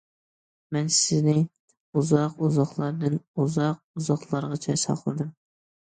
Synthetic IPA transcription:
mɛnsɪznɪ | uzɑquzɑχlˠɑɾd̪ɨnuzɑq̚uzɑχlˠɑɾʁɑt͡ʃʰɑjsɑ̰qʰlˠɨd̪ɨm

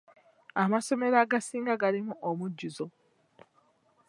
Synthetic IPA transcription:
amaso̞me̞ɾaɡasiːŋɡaɡalimuʔomuɟːuzo̞

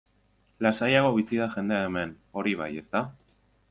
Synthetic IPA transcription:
lasajaɣo̞β̞isiðaʝe̞nd̪e̞aeme̞n | o̞ɾiβ̞a̰je̞st̪a

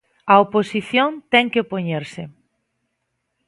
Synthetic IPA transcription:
ɐoposiθjont̪ɛŋkeopoɲeɾsɪ

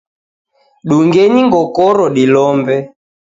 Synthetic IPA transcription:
ɗuŋɡɛɲiŋɡɔkɔɾɔɗilɔmbɛ

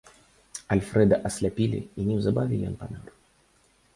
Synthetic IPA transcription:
ɐlʲfɾɛd̪ɐʔɐsʲlʲapʲilʲḭinʲɛwzabavʲilʲɛ̰npanaɾ

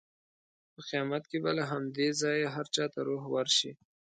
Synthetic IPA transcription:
pəqijɑmat̪kebalaɦamd̪ezɑjaɦaɾt͡ʃɑt̪aɾoɦwəɾʃi

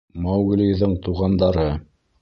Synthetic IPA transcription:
mɑwɡ̆lijðɤɴt̪uʁɑnd̪ɑɾɤ

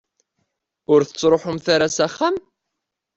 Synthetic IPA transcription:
ʊɾθə̥t͡sːɾˤoħʊmθaɾasaχːam

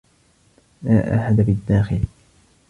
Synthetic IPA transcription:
laːʔa̰ħad̪abɪd̪ːaːxɪl

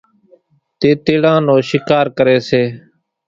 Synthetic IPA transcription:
t̪eːt̪eːɽãːnõːʃɪkaːɾkəɾeːseː

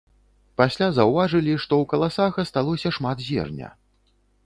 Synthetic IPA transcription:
pasʲlʲazɐwvaʐɨlʲiʂt̪ɔwkɐlˠasaɣɐst̪alˠɔsʲɐʂmat̪zʲɛ̰rnʲɐ̰

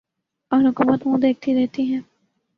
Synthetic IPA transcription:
ɔːɾɦʊkuːmət̪mũd̪eːk̚ʰt̪iɾɛɦt̪iɦɛ̃ː

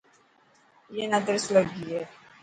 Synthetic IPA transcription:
jenəd̪əɾsləɡie

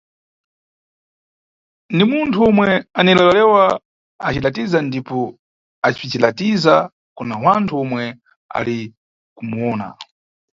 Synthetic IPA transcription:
ndimuntʰuɔmwɛanilalalɛwa | at͡ʃilatizandipɔ | at͡ʃpit͡ʃilatiza | kunawantʰuɔmwɛ | a̰li | kumuɔːna̰

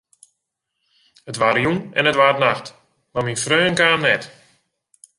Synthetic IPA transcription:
ətʋaɾjunɛnətʋaːrətnaxt | maminfrøːənkaːmnɛt

